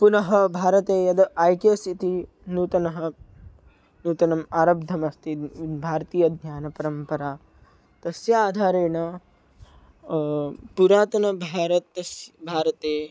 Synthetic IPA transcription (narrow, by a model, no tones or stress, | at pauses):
punɐɦɐbʱaːɾɐt̪eːjɐd̪ɐʔajkesit̪i | nuːt̪ɐnɐɦɐ̆ | nuːt̪ɐnɐmaːɾɐb̚d̪ʱɐmɐst̪ʰibʱaːɾɐt̪iːjɐd̪ʱɲjaːnɐpɐɾɐmpɐɾaː | t̪ɐsjɐaːd̪ʱaːɾeːɳɐ | puɾaːt̪ɐnɐbʱaːɾɐt̪ɐsbʱaːɾɐt̪eː